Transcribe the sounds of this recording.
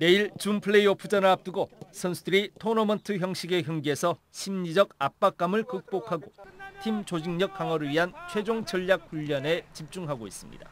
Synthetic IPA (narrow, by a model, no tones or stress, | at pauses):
ne̞iɭt͡ɕumpʰɯɭe̞iʌpʰɯd͡ʑʌnɯɭap̚t͈ɯɡosʰʌnsʰudɯɾitʰonʌmʌntʰɯçjʌŋɕ͈ʰiɡe̞çjʌŋɡiɦe̞sʰʌɕʰimɲid͡ʑʌɡap̚p͈ak̚k͈amɯɭkɯk̚p͈okʰaɡotʰimt͡ɕod͡ʑiŋɲʌk̚k͈aŋwʌɾɯɭɥiɦant͡ɕʰwe̞d͡ʑoŋt͡ɕʌʎːak̚huʎːʌne̞t͡ɕip̚t͡ɕ͈uŋɦaɡois͈ɯmɲḭda̰